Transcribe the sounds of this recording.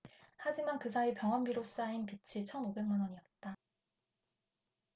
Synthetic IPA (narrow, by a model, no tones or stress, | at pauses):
had͡ʑimankɯs̬ʰaipjʌŋʌnbiɾoss͈ainpit͡ɕʰit͡ɕʰʌnobe̞ŋmanʌɲiʌt̚t͈a